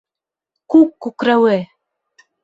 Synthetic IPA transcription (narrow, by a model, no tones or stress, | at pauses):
kukːukɾawe